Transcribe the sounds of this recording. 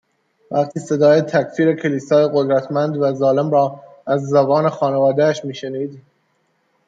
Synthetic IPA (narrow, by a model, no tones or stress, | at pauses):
væqt̪ʰiːse̞d̪ɒːjet̪ʰæcfiːɾe̞cʰe̞liːsɒːjeɣod̪ɾæt̪ʰmænd̪væzɒːle̞mɾɒː | æzːæbɒːne̞xɒːnevɒːd̪eæʃmiːʃe̞niːd̪